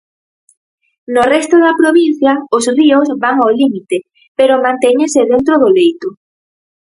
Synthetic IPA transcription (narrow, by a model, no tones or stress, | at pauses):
norɛst̪oðɐpɾoβin̟θjɐʊsriʊsβaŋawlimit̪e | peɾomãnt̪ɛɲẽseðent̪ɾoðʊlejt̪ʊ